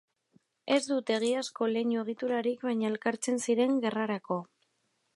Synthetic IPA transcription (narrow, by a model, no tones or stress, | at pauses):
e̞zd̪ut̪e̞ɣ̞iasko̞leɲue̞ɣ̞it̪uɾaɾikβajɲae̞lkaɾt͡se̞nsiɾe̞ŋɡe̞raɾako̞